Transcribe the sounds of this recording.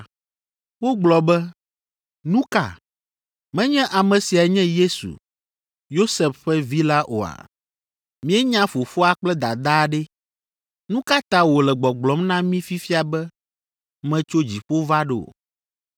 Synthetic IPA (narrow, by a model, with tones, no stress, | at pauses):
wo˦ɡ͡blɔ˨bɛ˦ | nũ˦ka̰˨ | mɛ̃˦ɲɛ̃˦ʔa˨mɛ̃˨si˨a˨˦ɲɛ̃˦je˦sṵ˨ | jo˦sɛ˨fɸɛ˦vi˦la˦ʔo̰˨a̰˨ | mĩ˦ɛ˦ɲã˦fo˨fo˦a˨k͡plɛ˦d̪a̰˨d̪a˦˨ɖɛ˦ | nũ˦ka˦t̪a˦wo˨lɛ˨ɡ͡bɔ˨ɡ͡blɔ˨˦mnã˦mĩ˦fi˦fi˦a˨bɛ˦ | mɛ̃˦t͡ʃo˦d͡ʑi˨ɸo˦va˦ɖe˨o̰˨